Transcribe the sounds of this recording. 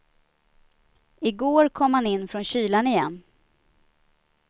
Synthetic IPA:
ɪɡoːɾkʰɔmhanɪnːfɾɔnɕyːlanɪjɛnː

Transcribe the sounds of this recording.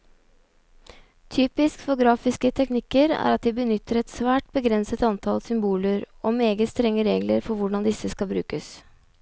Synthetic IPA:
t̪ʰyːpɪskfɔɡɾɑːfɪskət̪ʰɛknɪkːəɾæ̰ːɾɑt̪̚d̪ɛbənʏt̪ʰːəɾɛt̪sʋæːʈ̚bəɡɾɛnsət̪ɑnt̪ʰɑlsʏmbuːləɾ | oːmeːɡəst̪ɾɛŋːəɾeːɡləɾfɔɾʋʊɖɑnd̪ɪsəskɑbɾʉ̰ːkəs

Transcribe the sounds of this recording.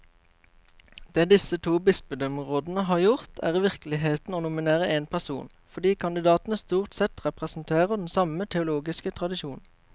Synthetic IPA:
d̪̥eːd̪ɪsət̪ʰuːbɪspəd̪œmʁoːd̪n̩əɦɑːʁjʊʁt̪ʰæ̰ːʁiːʋɪʁklɪɦeːt̪n̩oːnʊmɪneːʁəʔeːnpʰæʁsṵːn | fɔd̪iːkʰɑnd̪ɪd̪ɑːt̪n̩əst̪uːʁt̪sɛt̪ʁɛpʁɛsn̩t̪ʰeːʁəʁd̪ɛn̩sɑmət̪ʰɛʊloːɡɪskət̪ʰʁɑd̪ɪʃuːn̩

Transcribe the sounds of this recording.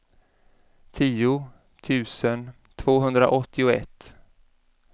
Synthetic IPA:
t̪ʰiːʊ | t̪ʰʉ̟ːsən | t̪ʰvoːɦɵnd̪ɾa̰ʔɔt̪ʰːɪʊɛ̰t̪ː

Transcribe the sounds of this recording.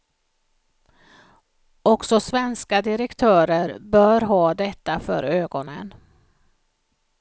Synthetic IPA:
ɔksɔsvɛnskad̪ɪɾɛkt̪ʰœːɾəɾbœːɾɦɑːd̪ɛt̪ːafœ̰ɾøːɡɔnə̰n

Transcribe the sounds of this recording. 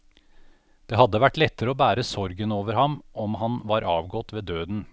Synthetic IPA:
d̪̥eːhɑd̪ːəʋæʈːlɛt̪ːəɾəoːbæːɾəsɔɾɡənoːʋəɾhɑmʔɔmhɑnʋɑːɾʔɑːʋɡɔt̪ʋeːd̪øːd̪n̩

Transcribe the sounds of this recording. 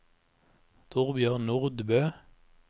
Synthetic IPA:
t̪ʰʊʁbjøːʁnʊʁd̪bøː

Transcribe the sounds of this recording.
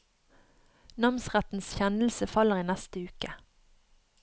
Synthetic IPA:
nɑmsʁæt̪n̩sçɛnl̩səfɑləʁiːnæst̪əʉːkə

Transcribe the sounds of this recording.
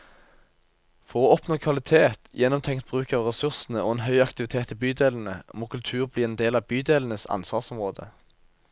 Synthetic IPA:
fɔʁoːɔpnoːkʰʋɑlɪt̪ʰeːt̪jɛnːɔmt̪ʰɛŋkt̪̚bʁʉːkɑːʋʁɛsʉʁsn̩əo̰ːɛːnɦœʏɑkt̪ɪʋɪt̪ʰeːt̪ʰɪbyːd̪eːln̩əmoːkʉlt̪ʰʉːʁbliːɛːnd̪eːlɑʋbyːd̪eːlən̩əsɑ̰nsʋɑːʁsɔmʁoːd̪ə̰

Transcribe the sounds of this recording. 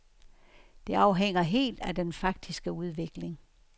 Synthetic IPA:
d̥e̝ɑ̈ʊɦeŋ̰ɐɦe̝̰ːld̥æd̥enfɑ̈ɡ̥̚d̥isɡ̥əuð̞ˠʋe̝ɡ̥le̝ŋ

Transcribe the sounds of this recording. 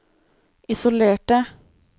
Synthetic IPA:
ʔɪsʊleːʈə

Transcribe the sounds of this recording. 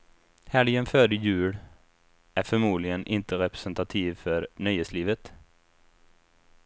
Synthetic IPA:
hæɭjɛnfœːɖəjʉ̟ːɽ | ʔæɾfœɾmuːd̪lɪɡənʔɪnt̪əɾɛpɾɛ̥sɛnt̪at̪ʰiːvfœɾnœjheːtsliːvət̪

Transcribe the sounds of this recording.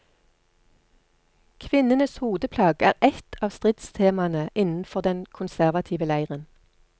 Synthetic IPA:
kʰʋɪnənəshuːd̪əpʰlɑːɡæːʁɛt̪ʰɑːʋst̪ʁɪt̪st̪ʰeːmɑnəʔɪnn̩fɔʁd̪ɛnkʰʊnsæʁʋɑt̪ʰiːʋəlæɪʁən

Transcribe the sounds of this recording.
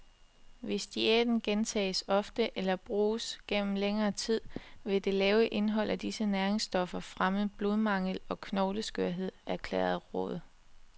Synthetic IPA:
ʋe̝sd̥ied̥n̩ɡ̥ent͡sʰɛ̰ːɪsɒ̽fd̥əʔelɐb̥ʁuːsɡ̥en̰m̩leŋɐːt͡sʰið̞̰ˠʋe̝d̥e̝lɛːʊəʔe̝nɦɒ̽l̰ʔæd̥isənæɐʁeŋsd̥ɒ̽fɐfʁaməb̥lo̝ðˠmɑ̈ŋ̰əl̩ɒ̽kʰnɒʊləsɡ̥øɐ̰ɦe̝ð̞̰ˠæɐkʰlḛːɐð̩ˠʁɔ̰̽ð̞ˠ

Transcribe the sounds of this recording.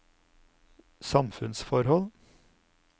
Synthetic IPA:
sɑmfʉnsfɔɾhɔl

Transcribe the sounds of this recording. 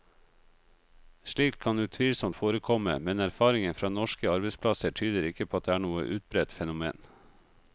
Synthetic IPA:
ʃɭiːkt̪kʰɑnd̪ʉːt̪ʰʋiːlsɔmt̪foːɾəkʰɔmə̰mɛnæɾfɑːɾɪŋənfɾɑːnɔʃkəɑɾbɛɪspʰlɑsəʈʰyːd̪əɾɪkːəpʰoːɑt̪̚d̪eːæːɳuːə̰ʔʉːt̪̚bɾɛt̪fɛnʊmḛːn

